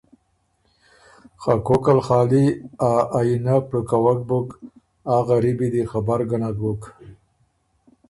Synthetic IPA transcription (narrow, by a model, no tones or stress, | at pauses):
xakokalxɑːliaːjinapɽukawak̚buk | aɣaɾibid̪ixabaɾɡanaɡuk